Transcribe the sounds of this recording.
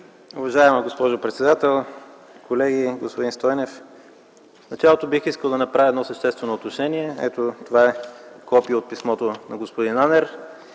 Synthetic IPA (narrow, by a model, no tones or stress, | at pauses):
ʊvɐʒaɛmɐɡospɔʒʊpɾɛt̪sɛd̪at̪ɛlˠ | kʰolɛɡiɡospod̪inst̪ɔjnɛf | fnɐt͡ʃalˠot̪obixiskəlˠd̪ɐnɐpɾavʲiɛd̪nɔsɐʃt̪ɛst̪vɛnoːt̪noʃɛniɛɛ̰t̪ot̪ovaɛkɔpiəot̪̚pismɔt̪onɐɡospod̪inanɛɾ